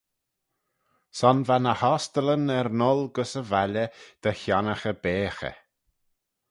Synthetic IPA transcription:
sɔnvanəhɔst̪ələnɛɾnɔlɡəsəvaləd̪̥əçanəxəbeːxə̰

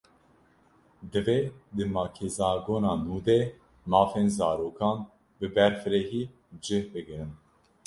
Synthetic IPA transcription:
d̪ɨveːd̪ɨmɑːkʰezɑːɡoːnɑːnuːd̪eː | mɑːfeːnzɑːɾoːkʰɑːn | bɨbɛɾfɨɾɛhiː | d͡ʒɨhbɨɡɨɾɨn

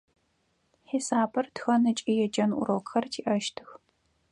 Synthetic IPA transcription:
ħisaːbɐrtxɐnɨt͡ʃʼijɛd͡ʒɐnʔʊ̰ɾowkxɐrtʰiːʔɐʃtʰɨx

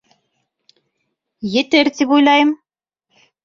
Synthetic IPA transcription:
jɘ̆t̪ɘɾt̪ipujlˠɑjɤm

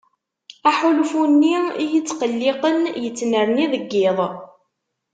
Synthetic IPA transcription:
æħulfunːiijət͡sːqəlːɪqənjət͡sːnəɾniðəɡːɪðˤ

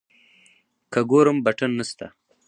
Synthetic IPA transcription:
kɐɡoːɾəmbɐʈɐnːəst̪a̰

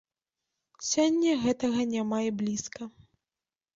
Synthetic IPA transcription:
sʲɔnʲːɐɣɛt̪ɐɣɐnʲamajblʲiskɐ

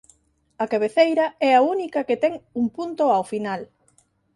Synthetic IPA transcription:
ɐkaβ̞eθejɾɐɛaunikɐket̪ɛŋuŋpunt̪oawfinal

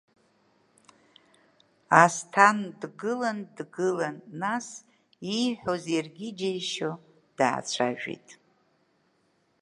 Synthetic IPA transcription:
astʰandɡɨlandɡɨlanːas | iħʷozejrɡʲɪd͡ʒejʃo | d̥a̰ːt͡ʃʷʰa̰ʒᶣḭtʼ

